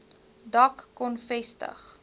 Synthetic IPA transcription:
dɐkːɔnfɛstə̰χ

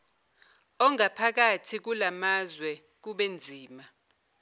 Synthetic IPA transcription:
ɔŋapʰak̬atʰik̬ulamazwɛ | k̬uɓend͡zʱiːma

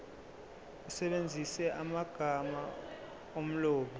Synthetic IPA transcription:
usɛɓend͡zʱisɛʔamaɡ̥ʱama | om̩loːɓi

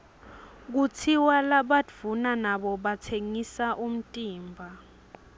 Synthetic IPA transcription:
k̬ut͡sʰiwalaɓadv̥unanaɓɔɓatʰeŋisaʔum̩tʼiːmbʱa

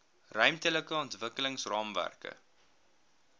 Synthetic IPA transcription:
rœɥmtələkəɔntvəkələŋsrɑːmvæ̰rkə̰

